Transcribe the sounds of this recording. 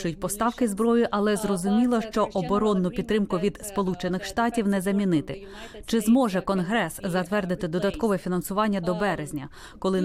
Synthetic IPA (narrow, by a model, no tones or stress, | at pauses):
ʊjʊt̚ʲpɔst̪ɑwkɪzbɾɔjʊʔɐlˠɛzrɔzʊmʲilˠɔʃt͡ʃɔʔɔbɔɾɔnːʊpʲid̪t̪ːɾɪmkʊʋʲid̪spɔlˠut͡ʃenɪxʃt̪ɑtʲiwnɛzɐmʲinɪt̪ɪ | t͡ʃɪzmɔʒɛkɔnɦɾɛszɐt̪ʋɛrd̪ɪt̪ɪd̪ɔd̪ɐt̪kɔʋɛfʲinɐnsʊʋɑnʲːɐd̪ɔbɛɾezʲnʲɐ | kɔlˠɪ